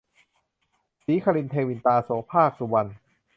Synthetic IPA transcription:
siː˨˦kʰa˧li˧nt̪ʰeː˧wi˧nt̪aː˧soː˩˦pʰaː˥˩k̚su˧wa˧n

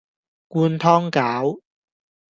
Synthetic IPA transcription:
kuː˧nt̪ʰɔː˥ŋkaː˨˥w

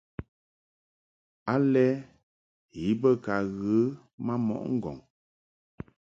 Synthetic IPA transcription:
a˦lɛ˦ | ji˨˦bə˦ka˨ɣə˨˦ | ma˦mɔ̰˨ʔŋ̩˦ɡɔ̰˨ŋ

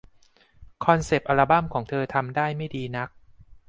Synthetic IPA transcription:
kʰɔ˧nse˨˩p̚ʔa˧ɾa˧ba˥˩mkʰɔː˩˦ŋt̪ʰɤː˧t̪ʰa˧mdaː˥˩jma˥˩jdiː˧na˦˥k̚

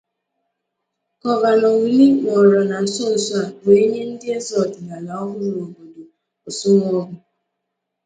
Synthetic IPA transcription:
kɔ˨va˨nɔ˨ŋ̩ʷ˨li˦ŋɔ˨ɾɔ˨na˨n̩˨sɔ˦n̩˨sʷa˦˨be˨e˦ɲe˦n̩˦dɪ˦e˦zɔ˨dna˨na˨ɔ˦vʊ˦ɾʊ˨˦ɾo˨bo˨do˨ | o˨sʊ˦ŋ˦ɔ˦ɡʊ˨

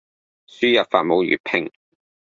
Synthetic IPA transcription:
syː˥jɐ˨pfaː˧t̚mo˨˧wjy̰ː˨t̚pʰɪ˥ŋ

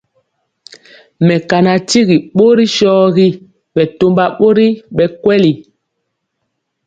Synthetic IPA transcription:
mɛ˨ka˨na˨ti˦ɣi˨ɓo˦ɾi˦ʃɔː˦ɣi˦ | ɓɛ˨to˦mba˦ɓo˦ɾi˦ɓɛ˨kwɛ˦li˨

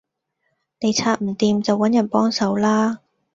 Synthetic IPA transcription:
ne˨jt͡sʰaː˧t̚m̩˨˩t̪iː˨mt͡sɐ˨wːɐ˨˥njɐ˨˩npɔː˥ŋsɐ˨˧wlaː˥

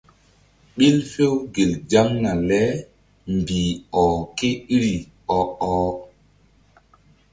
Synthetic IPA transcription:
ɓi˦lfe˦wɡe˨ld͡ʒa˦ŋna˨lɛ˦ | mbiː˨ɔ˨ke˦i˦ɾi˨ | ɔ˨ɔː˦

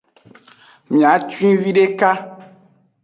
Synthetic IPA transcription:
mĩ˨a˨˦t͡ʃĩ˦vi˦ɖe˦ka˦

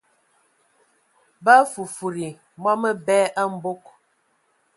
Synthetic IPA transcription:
ba˦fu˨fu˨ɾi˨ | mɔ˦mə˦bɛ˦ʔa˦m̩˦bo˦k̚

